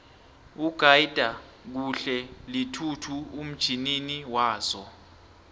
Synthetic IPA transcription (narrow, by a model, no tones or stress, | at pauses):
uɡ̥ʱaid̥ʱa | k̬uɬɛlitʰutʰuum̩d̥ʒ̥ʱininiwaːz̥ɔ